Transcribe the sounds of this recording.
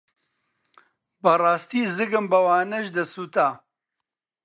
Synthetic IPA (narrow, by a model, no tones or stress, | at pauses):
bɐrɑːst̪iːzɨɡɨmbɐwaːnɐʒd̪ɐsuːt̪aː